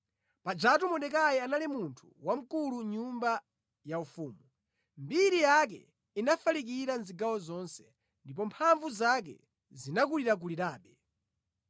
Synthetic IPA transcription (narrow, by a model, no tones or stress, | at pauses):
pad͡ʒatumɔnɗɛkajɛanalimuntʰu̥̰wam̩kuluɲumba | jaufuːmu | mbiɾijak̬ɛ̰ | inafalik̬iɾanziɡawɔzɔnsɛ̥ | ndipɔmpʰaɱvuzak̬ɛ̰ | zinakuliɾak̬uliɾaːɓɛ